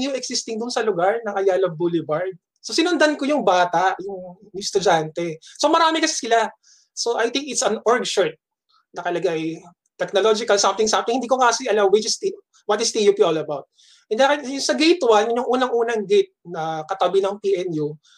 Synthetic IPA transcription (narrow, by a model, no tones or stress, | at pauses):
njuɛksɪst̪ɪŋd̪ʊnsɐlʊɡaɹnɐʔɐjaːlɐbulɪbaɹd̪̚ | sosɪnʊnd̪ɐnkojʊŋbaːt̪aʔjʊŋjst̪ʊd͡ʒant̪ɛso̞mɐɾaːmɛkɐsɪ̥sɪla | soʔajt̪ɪ̃ŋkɪt̪sɐ̃nɔɹɡʃɔɹt̪̚ | nɐkɐlɐɡaj | t̪ɛk̚nolod͡ʒɪkɐlsɐmt̪ɪŋsamt̪ɪŋhɪnd̪iːkoŋasɪɐlawwɪt͡ʃɪst̪ | wɐt̪ɪsd̪ijupiolɐbawt̪̚ | ʔɛnd̪ɛkɐjʊŋsɐɡejt̪wanɲʊŋʔuːnɐŋʔuːnɐŋɡɪt̪̚nɐkɐt̪ɐbɪnɐŋpiʔɛnju